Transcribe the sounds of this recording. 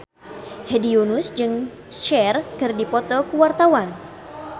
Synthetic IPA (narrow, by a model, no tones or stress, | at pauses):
hediunʊsd͡ʒɨŋ | ʃɛrkɨrdipɔt̪ɔkəwart̪awan